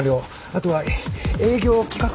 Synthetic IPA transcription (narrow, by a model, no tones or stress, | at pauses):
ɾʲo̞ː | at̪o̞βae̞ːɡʲo̞ːkʲi̥kak